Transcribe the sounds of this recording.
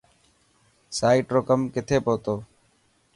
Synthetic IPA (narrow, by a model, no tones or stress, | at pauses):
saːiːʈɾoːkəmkɪt̪ʰeːpoːt̪oː